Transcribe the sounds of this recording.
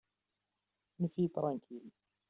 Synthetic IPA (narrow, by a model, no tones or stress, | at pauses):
nfit̪ɾˤɑŋkʰil